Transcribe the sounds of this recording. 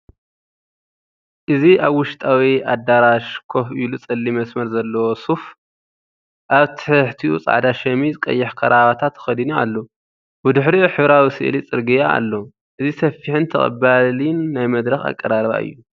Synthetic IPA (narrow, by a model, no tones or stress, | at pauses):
ʔɨziʔaβwʊʃt̪ʼawiad̪aɾaʃkʰo̞fɨjlut͡sʼɐlːimɐsmɐɾzɐlːɐwosuf | ʔaβt̪ʰɨħɨħt̪ʰiʔut͡sʼa̰ʕd̪aʃɐmizɨkʼɐ̰jːɪħkʰɐɾaβɐt̪ʰat̪xɐd̪inia̰lːo | bɨd̪ɨħɾiħɨβɾawisɨ̰ʔlit͡sʼɨɾɡijaa̰lːo | ʔɨzisɐfːiħɨnt̪ʰɐχʼɐ̰balinːajmɐd̪ɾɐxa̰kʼːɐɾaɾβa̰ʔɨ̰jːu